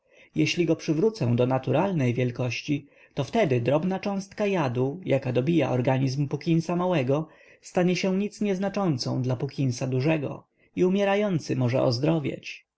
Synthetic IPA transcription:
jɛɕlʲiɡɔpʂɘvɾut̪sɛ̃d̪ɔnat̪uɾalnɛjvʲjɛlkɔɕt͡ɕi | t̪ɔft̪ɛd̪ɘd̪ɾɔbnat͡ʂɔ̃w̃st̪kajad̪ujakad̪ɔbʲija̰ʔɔɾɡaɲizmpukʲinsamawɛɡɔ | st̪aɲɛɕɛ̃ɲit̪sɲɛznat͡ʂɔnt̪sɔ̰̃w̃d̪lapukʲinsad̪uʐɛɡɔ̰ | iumʲjɛɾajɔnt̪sɘmɔʐɛ̰ɔ̰zd̪ɾɔvʲja̰t͡ɕ

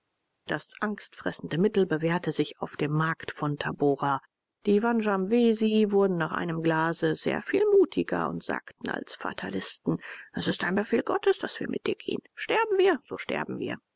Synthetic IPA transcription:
d̥asʔaŋstfʁ̥ɛsn̩dəmɪtl̩bəveːɐtəzɪçaʊfd̥eːmːaɐktfɔntʰaboːʁa | d̥iːvanʒamveːzivʊɐdn̩naːχʔa̰ɪnəmɡlaːzəzḛːɐfiːlmuːtʰɪɡɐ̰ʊ̰ntz̥a̰ːktn̩a̰lsfa̰tʰa̰lɪstn̩ʔɛsɪstaɪnbəfeːlɡɔtəsd̥asv̥iːɐmɪ̰t̚d̥iːɐɡ̥ḛːənʃtɛɐbm̩viːɐz̥o̰ːʃtɛ̰ɐbm̩vḭːɐ

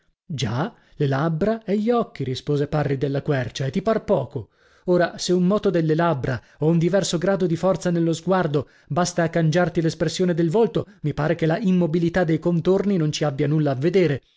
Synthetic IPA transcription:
d͡ʒa | lelabːɾaɛʎːiɔkːiɾispoːzeparːid̪elːakwɛrt͡ʃaet̪ːiparpɔːko | oːɾaseummɔːt̪od̪elːelabːɾa | ɔund̪ivɛrsoɡɾaːd̪od̪ifɔrt̪sanelːozɡward̪o | bast̪aːkːand͡ʒart̪ilespɾesːjoːned̪elvolt̪omipaːɾekelaʔimːobilit̪ad̪ːejkont̪orninont͡ʃiabːjanulːaːvːed̪eːɾe

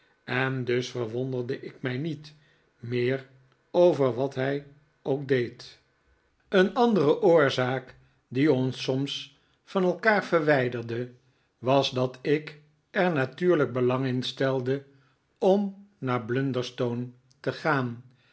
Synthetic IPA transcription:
ɛndɵsfəɹʋɔndəɹdəʔɪkmɛjnit | mɪːɹ | owvəɹʋɑtɦɛj | owk̚dejt | ənɑndərəʔʊːɹzaːk | diɔnsɔms | fɑnɛlˠkaːɹv̥əɹʋɛjdəɹdə | ʋɑzdɑtɪk | ɛɹnatyːɹləɡ̚bəlɑŋɪnstɛlˠdə | ɔmnaːɹblɵndəɹstown | təχaːn

